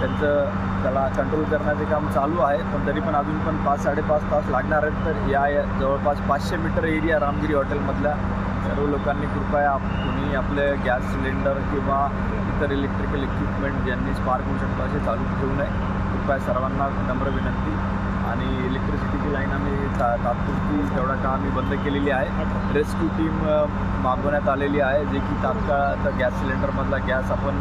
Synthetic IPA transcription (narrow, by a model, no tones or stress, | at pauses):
t̪jant͡səː | t̪alakəɳʈɾolkəɾɳjat͡sekamt͡saluːaɦet̪əɳt̪əɾiːpəɳad̪ʱuːnpəɳpat͡sːaɽepat͡spaslaɡɳaɾaet̪ːəɾjajd͡zəʋəɭpat͡spat͡sɕemiʈəɾeɽijaɾamɡiɾiːɦɔʈelməd̪ʱlja | sə̰ɾʋəlokãnːiːkuʈkajappuɽ̤̃iːapleɡæsːleɳɖəɾkĩw̃ʋa | it̪əɾelek̚ʈɾikəlekʋipmeɳʈ̚d͡ʑjanːiːspaɾkəɾuɕəkt̪oəset͡salũːk̪ʰeunai | kuʈkajsəɾʋanːa | nəmbəɾʋinənt̪iː | a̰ɽ̃i | elek̚ʈɾisiʈit̪ilainamiː | at̪at̪̚kunt̪iːt̪eʋɽakamiːbənd̪ʱəkeleliːaɦe | ɾeskjuʈiːmː | aɡonjat̪aleliːaɦed͡zekiːt̪at̪kaɭət̪əɡæsːileɳɖəɾməd̪ʱlaɡasapəɳ